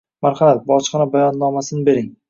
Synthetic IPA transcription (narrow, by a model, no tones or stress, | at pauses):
maɾχamat̪̚bɒt͡ʃχɑnabajɒnːɒmasɪnɪbe̞ɾɪŋ